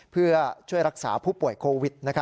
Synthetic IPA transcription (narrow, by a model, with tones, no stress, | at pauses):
pʰɯ˥˩ɐt͡ɕʰu˥˩əjɾa˦˥k̚saː˩˦pʰuː˥˩pu˨˩əjkʰoː˧wi˨˦˩t̪̚na˦˥kʰa˦˥